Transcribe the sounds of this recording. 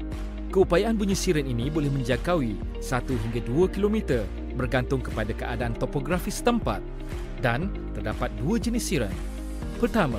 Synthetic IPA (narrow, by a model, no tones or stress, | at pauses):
kəupajaʔanbuɲĩsiɾəninĩbolɛhmə̃ɲd͡ʒakawi | sat̪uɦiŋɡaduakilomĩt̪ər | bərɡant̪ʊŋkəpadakəʔadaant̪opoɡɾafisə̥t̪əmpa̰t̪̚ | dan | t̪ərdapat̪̚duad͡ʒənisiɾə̰n | pərt̪amã